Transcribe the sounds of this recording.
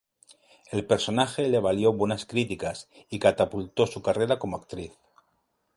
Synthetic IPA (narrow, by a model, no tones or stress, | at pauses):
e̞lpe̞ɾso̞naxe̞leβ̞aljo̞βwe̞naskɾit̪ikasikat̪apult̪o̞sukare̞ɾako̞moak̚t̪ɾiθ